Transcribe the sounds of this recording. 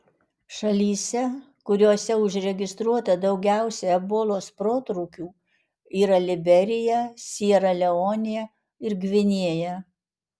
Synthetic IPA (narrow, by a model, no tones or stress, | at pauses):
ʃɐlʲiːsʲɛ | kʊɾʲuːsʲɛʊʒʲɾʲɛɡʲɪst̪ɾuɔt̪ɐd̪ɒʊɡʲæˑʊsʲɛɛboːlˠoːspɾoːt̪ɾuːkʲuː | iːɾɐlʲɪbʲɛɾʲɪjɛsʲiɛɾɐlʲɛoːnʲɪjɛ | ɪɾɡʲʋʲɪnʲiɛjɛ